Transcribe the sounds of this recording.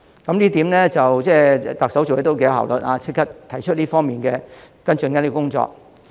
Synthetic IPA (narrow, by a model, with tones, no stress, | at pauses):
kɐ˨˦mliː˥t̪iː˨˥mlɛ˥t͡sɐ˨wt͡sɛː˥˧˨t̪ɐ˨k̚sɐ˨˥wt͡ʃo˨je˨˥to˥wke˥jɐ˨˧ɦɐ̰˨˩wlɵ˨t̚aː˧t͡sʰɪ˥kʰːɐ˥t̚t̪ʰɐ˨˩jt͡ʃʰɵ˥t̚liː˥fɔː˥ŋmiː˨˩nkɛː˧ | kɐ˥nt͡ʃɵ˧nkɐ˥nː˥kkʊ˥ŋt͡sɔ̰ː˧˨k̚